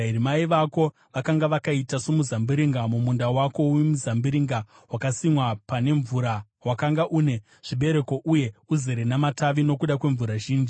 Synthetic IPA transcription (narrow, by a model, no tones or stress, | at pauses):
eɾimaiʋako̞ | ʋakaŋɡaʋakaitasomuzambiɾiŋɡamumundawako̞wimuzambiɾiŋɡa | wakasimwapane̞ɱvuɾa | wakaŋɡaʔune̞ | ʐ̥iɓe̞ɾe̞ko̞ʔuje̞uzeɾenamataʋino̞kuɗakwe̞ɱvuɾaʒiːnd͡ʒi